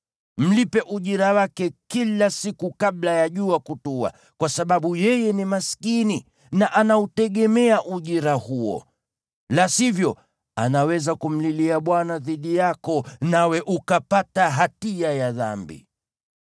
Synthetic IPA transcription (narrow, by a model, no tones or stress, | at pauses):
m̩lipɛʔuʄiɾawakɛkilasikukaɓlajaʄuakutua̰ | kwasaɓaɓujɛjɛnimaskini | naʔanautɛɠɛmɛaʔuʄiɾahuɔ̰ | lashivjɔ | a̰nawɛzakum̩liliaɓwanaðiɗijakɔnawɛʔukapataɦatiajaða̰mbḭ